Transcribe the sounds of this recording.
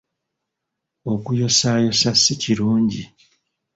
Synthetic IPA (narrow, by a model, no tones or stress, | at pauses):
o̞kujo̞saːjo̞sasːiciɾuːɲɟi